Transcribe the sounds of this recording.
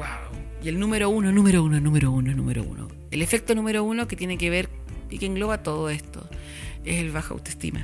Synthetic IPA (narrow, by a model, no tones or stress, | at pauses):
waw | jelnumeɾounonumeɾounonumeɾounonṵmeɾo̰ṵno̰ | elefek̚t̪onumeɾounoket̪je̞nekeβeɾ | ikeŋɡlo̞βat̪oðoest̪o̞̰ | eselβaxoa̰wt̪oest̪ḭma̰